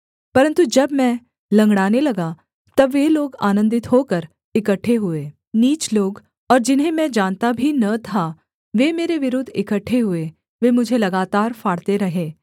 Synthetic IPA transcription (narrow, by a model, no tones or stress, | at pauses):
pɐɾə̃nt̪ud͡ʒɐbmɛ̃ | lɐ̃ŋɡɽaːnelɐɡa | t̪ɐbːeloːɡa̰ːnə̃nd̪ɪt̪ɦoːkəɾ | ɪkəʈʰːeɦʊeː | niːt͡ʃloːɡ | ɔːɾd͡ʒɪnɦẽmɛ̃d͡ʒaːnt̪abʱinɐt̪ʰa | ʋeːmeːɾeʋɪɾʊd̪ʱːɪkəʈʰːeɦʊe | ʋeːmʊd͡ʒʱelɐɡaːt̪aːɾfaːɽt̪eɾɐɦeː